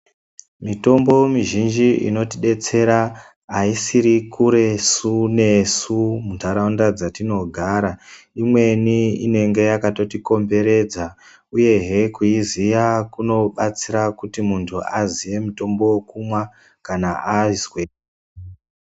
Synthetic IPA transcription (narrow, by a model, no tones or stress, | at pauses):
mito̞mbo̞miʒind͡ʒiḭno̞tiɗe̞t͡se̞ɾa | aisiɾikuɾe̞sune̞sumuntʰaɾaundad͡zatino̞ɡʱaːɾa | imwe̞niine̞ŋɡe̞jakato̞tiko̞mbe̞ɾe̞d͡za | uje̞ɦe̞kuizijakuno̞ɓat͡siɾakutimuntʰuazije̞muto̞mbo̞kumwa | kanaazwe